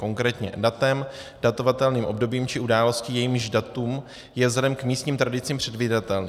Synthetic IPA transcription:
ko̞ŋkɾɛːt̪ɲɛ̰dat̪ɛmd̥at̪o̞vat̪ɛlniːmʔo̞bdo̞biːmt͡ʃɪʔudaːlo̞sciːjɛjiːmʒdat̪um | jɛvzlɛdɛmkmiːst̪ɲiːmt̪ɾadɪt͡siːmpr̝̥ɛdviːdat̪ɛlniː

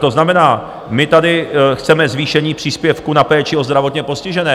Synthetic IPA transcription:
t̪o̞znamɛnaː | mɪt̪adɪxt͡sɛmɛzviːʃɛɲiːpr̝̥iːspjɛfkunapɛːt͡ʃɪo̞zd̪ɾavot̪ɲɛpo̞scɪʒɛnɛː

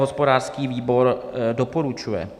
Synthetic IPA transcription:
ɦospo̞daːr̥skiːviːbo̞ɾdopoɾut͡ʃujɛ̰

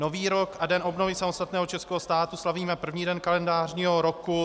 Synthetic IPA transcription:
noviːɾokʔadɛnʔo̞bnovɪsamost̪at̪nɛːɦot͡ʃɛskɛːɦost̪aːt̪uslaviːmɛpr̩vɲiːdɛnkalɛndaːrɲiːɦoɾoku

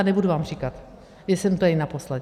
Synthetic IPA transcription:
nɛbuduvaːmrikat̪ | jɛsɛmt̪oainaposlɛ

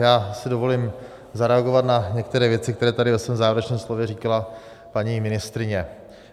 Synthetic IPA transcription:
jaːsɪdo̞vo̞lim | zaɾɛaɡovat̪naɲɛk̚t̪ɛɾɛːvjɛt͡sɪkt̪ɛɾɛːt̪adɪvɛsvɛːmzaːvɪɾɛt͡ʃnɛːmslovjɛriːkala | paɲimɪnɪst̪ɾɪɲɛ

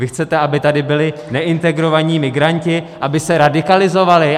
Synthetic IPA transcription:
vɪxt͡sɛt̪ɛʔabɪt̪adɪbɪlɪnɛʔɪnt̪ɛɡɾo̞vaɲiːmɪɡɾaɲcɪ | ʔabɪsɛɾadɪkalɪzo̞valɪ

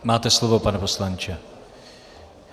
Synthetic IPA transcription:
maːt̪ɛslovopanɛpo̞slant͡ʃɛ

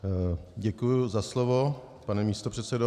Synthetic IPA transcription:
ɟɛkujʊzaslovo̞ | panɛmiːst̪opr̥ɛt̪sɛdo

